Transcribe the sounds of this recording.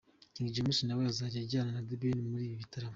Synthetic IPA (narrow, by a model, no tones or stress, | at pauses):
ciːŋɡiɟiomusinawejazaːɾieɟaːnanadebinmuɾiːβiβitaɾama